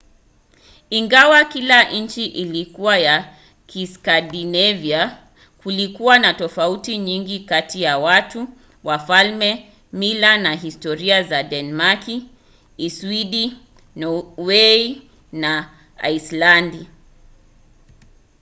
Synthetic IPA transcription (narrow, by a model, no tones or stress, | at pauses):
iŋɡawakilaʔn̩t͡ʃiʔilikuwaja | kiskadinɛvia | kulikuwanatɔfautiɲiŋɡikatijawatu | wafalmɛ | milanaɦistɔɾiazadɛnɛmakiː | swidi | nɔwɛi | na | a̰islandi